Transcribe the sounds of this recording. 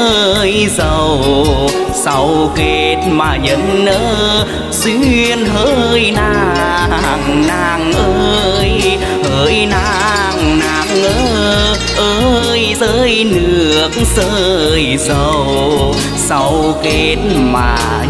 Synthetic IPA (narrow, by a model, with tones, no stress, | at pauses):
jzə˨˩w | sa˧wke˧t̚maː˨˩ɲə˧˦nʔəː˧˦ | swi˧ənɦəː˧jnaː˧ | a˨˩ŋna˧˩ŋʔə˧j | həː˧˩jnaː˧˥ | ŋnaː˨˩k̚ʔəː˧˦ | ʔə˧ | jzəː˧jnɨ˨˧˩ək̚zəː˧jzə˨˩w | sa˧wke˧˦t̚maː˨˩